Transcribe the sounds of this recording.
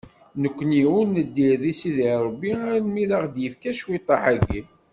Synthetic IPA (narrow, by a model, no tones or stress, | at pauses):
nəkʷːəniwunːəd̪ːiɾðisiðiɾˤbːinmilaʁd̪jəfkæʃwit̪ˤːɑħaɡḭ